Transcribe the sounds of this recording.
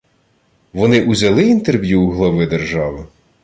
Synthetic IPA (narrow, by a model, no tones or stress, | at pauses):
ʋɔnɪʔuzʲɐlˠɪint̪erʋʲjuːɦlˠɐʋɪd̪erʒɑʋɪ